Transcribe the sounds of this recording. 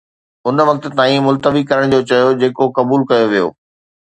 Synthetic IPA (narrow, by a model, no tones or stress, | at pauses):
ʊnʋɐk̚t̪̆t̪aːĩmʊlt̪əʋikɐɾəɽ̃d͡ʑoːt͡ɕɐjod͡ʑeːkokɐbuːlkɐjoʋijo̰ː